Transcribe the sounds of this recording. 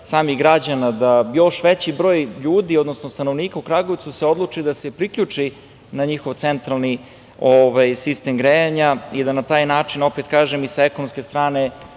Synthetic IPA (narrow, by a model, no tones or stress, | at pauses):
saːmiɣɡɾad͡ʑanad̪ajo̞ʃʋɛt͡ɕibɾo̞ːjʎuːd̪iod̪no̞snost̪ano̞ʋniːkaukɾaɡoʋt̪suseo̞d̪lˠut͡ʂid̪asepɾikʎut͡ʂi | naɲixo̞ʋt̪sent̪ɾalˠni | oʋajsist̪emɡɾejaɲaid̪anat̪aːjnaːt͡ʂino̞pet̪kaːʒemisaekonomske̞st̪ɾaːne